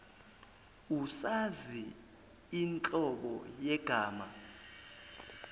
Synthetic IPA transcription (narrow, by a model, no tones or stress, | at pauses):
usazi | int͡ɬʼɔɓɔjɛɡ̥ʱaːma